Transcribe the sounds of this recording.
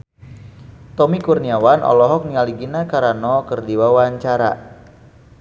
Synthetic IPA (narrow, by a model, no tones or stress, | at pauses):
t̪ɔmikurniawanʔɔ̰lɔɦɔk̚niŋaliɡinakaɾanɔkərdiwawaɲt͡ʃaɾa̰